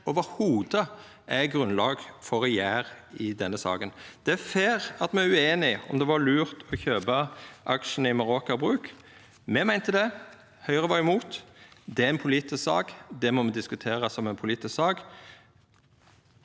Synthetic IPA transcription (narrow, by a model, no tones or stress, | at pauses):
ɔʋəɾhuːd̪ə | ʔæɡɾʉnlɑːɡfɔɾɛjæːɾɪd̪ɛnːəsɑ̰ːɡənd̪̥ɛfeːʁɑt̪mɛæɾʉeːnɪɔ̰md̪ɛʋɑlʉːɾt̪ʰɔçøːbɑʔɑkʂən̩əɪmɑɾoːkɑbɾʉːk | mɛmæɪnt̪əd̪ɛ | hœʏəʁəʋɑɾɪmuːt̪d̪ɛæɾɪnpʰʊliːt̪ɪsksɑ̰ːɡd̪ɛmɔmɛd̪ɪskʉt̪ʰeːɾɑsɔmɛnpʰʊliːt̪ɪssɑːɡ